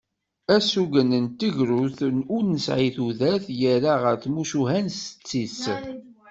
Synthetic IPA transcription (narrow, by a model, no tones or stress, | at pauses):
æsuɡənənt̪əʝɾuθʊɾnəsʕiθuðæθjəɾaʁəɾθmuʃuɦænsə̥t͡sːis